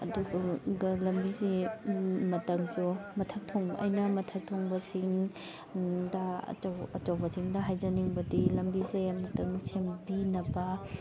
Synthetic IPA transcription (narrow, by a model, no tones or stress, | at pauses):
ɐ̰duɡɐɡɐlɐmbizi | mɐtɐŋsumɐtʰɐk̚tʰoŋbɐ̰ʔɐ̰jnɐmɐtʰɐk̚tʰoŋbɐsiŋ | dɐ̰ɐ̰t͡ʃɐwbɐsiŋdɐɦajd͡ʒɐniŋbɐdilɐmbizejamɐtɐŋsʰembinɐbɐ